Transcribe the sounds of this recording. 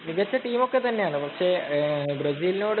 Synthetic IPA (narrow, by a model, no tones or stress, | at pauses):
niʋɐt͡ɕːɐʈiːmo̞kːet̪ɐnːe̞jaːɳɨpɐkʂe̞brɐsiːlnoːɽ